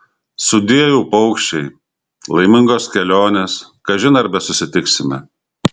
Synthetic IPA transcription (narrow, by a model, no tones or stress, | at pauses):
sʊd̪ʲiɛjuːpɐʊkʃʲt͡ʃʲɛɪ | lˠɐɪmʲɪŋɡoːskʲɛlʲoːnʲeːs | kɐʒʲɪnɐɾbʲɛsʊsʲɪt̪ʲɪksʲɪmʲɛ